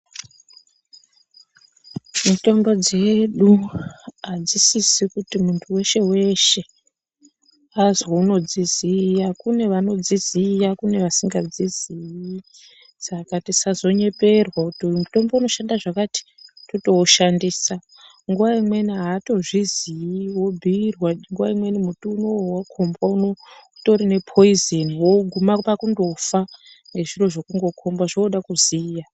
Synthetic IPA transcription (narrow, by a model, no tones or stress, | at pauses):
muto̞mbo̞d͡ze̞ɗu | ad͡zisisikutimuntʰuwe̞ʃe̞we̞ʃe̞ | azouno̞d͡zizijakune̞ʋano̞d͡zizijakune̞ʋasiŋɡad͡ziziji | sakatisazo̞ɲe̞pe̞rwautomuto̞mbouno̞ʃandaʐakati̥toto̞ːʃandiːsa | ŋɡuʋaimwe̞niɦaːto̞ʐizijiwo̞bʱirwaŋɡuʋaimwe̞nimutuːnowakʰo̞mbwaunoto̞ɾine̞pʰo̞izeniwoɡʱumapakundo̞fa | ŋɡe̞ʐiro̞ʐokuŋɡo̞kʰo̞mbaʐoːɗakuzija